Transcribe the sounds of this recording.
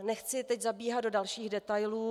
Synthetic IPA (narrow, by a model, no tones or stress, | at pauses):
nɛxt͡sɪt̪ɛczabiːɦat̪dodalʃiːɣdɛt̪ajluː